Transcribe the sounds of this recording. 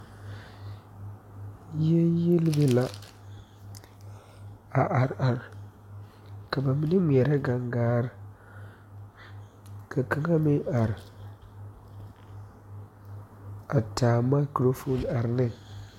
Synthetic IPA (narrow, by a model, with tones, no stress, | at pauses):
jɛ˦nji˦lɪ˦bɨ˦la˨ | a˨ʔa˨ɾa˨ɾ | ka˨ba˨mi˦nɨ˦mu˨ɛ˨ɾa˦ɡa˨ŋɡaː˦ɾɪ˦ | ka˨ka˦ŋa˦mɪ˦a˨ɾɪ˨ | a˨taː˨ma˦kɾo˦fo˦na˨ɾnɨ˦ŋ